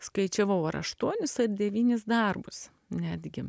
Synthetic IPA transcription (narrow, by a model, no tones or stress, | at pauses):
skɐɪt͡ʃʲɛʋɐʊɐɾɐ̰ʃt̪uɔnʲɪsɐrd̪ʲɛʋʲiːnʲɪs̬d̪ɐrbʊs | nʲæːd̪ʲɡʲɪ